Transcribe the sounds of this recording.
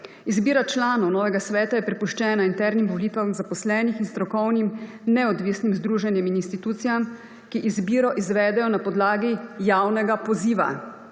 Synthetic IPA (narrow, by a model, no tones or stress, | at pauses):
izbiːɾat͡ʃlaːnɔwnɔːʋɛɡasʋɛːt̪ajɛpɾɛpuʃt͡ʃɛːnaint̪ɛɾnimʋɔliːt̪ʋamzapɔslɛːnixinst̪ɾɔkɔwnim | nɛɔd̪ʋiːsnimzd̪ɾuːʒɛnjɛmininst̪it̪uːt̪sijam | kiʔizbiːɾɔʔizʋɛːd̪ɛjɔnapɔd̪laːɡijawnɛɡapɔziːʋa̰